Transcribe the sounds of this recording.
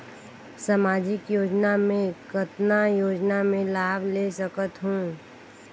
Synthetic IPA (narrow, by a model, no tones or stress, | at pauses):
samaːd͡ʒɪkjoːd͡ʒnamẽkət̪najoːd͡ʒnamẽlaːbleːsəkət̪ɦũː